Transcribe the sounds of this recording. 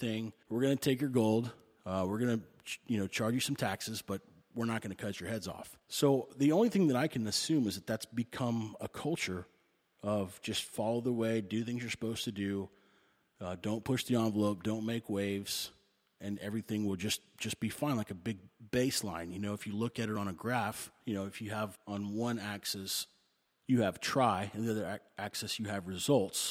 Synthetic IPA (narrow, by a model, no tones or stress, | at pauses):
θɪ̃ŋwəɹɡʌnɨtʰeɪkjə˞ɡoʊlˠd | ʌwɪɹɡʌnɨ | jɨnoʊt͡ʃʰɑɹd͡ʒɨsʌ̃m̩tʰæksɨzb̥ʌt̚ | wɪɹnət̚ɡ̥ʌnɨkʰʌt͡ʃə˞hɛdzɔ̰f | soʊðiõʊ̃nliθɪ̃ŋðɨɾaɪkʰɨ̃nɨsʉ̃mɨzðɨt̪̚ðætsb̥ɨkʰʌ̃məkʰʌlˠt͡ʃə˞ | ʌvd͡ʒʌstfɑlˠoʊðəweɪdɨθɪ̃ŋzjə˞sə̥poʊz̥tʰɨdʉ | ʌdõʊ̃npʰʊʃðiɑ̃nvəloʊp̚d̥õʊ̃nmeɪkweɪvz̥ | ɨ̃nɛvɹiθɪ̃ŋwɪlˠd͡ʒʌsʒ̥ʌsb̥ifãɪ̃nlaɪkɨbɪɡ̚b̥eɪslãɪ̃njɨnoʊɨfjɨlʊkɨɾɨɾn̩əɡɹæfjɨnoʊɨfjɨəvə̃n̩wʌ̃næksɛs | jɨɨv̥tʰɹ̥aɪɨ̃nðiʌðə˞ʔæksɛsjɨːvɹɨzʌlˠts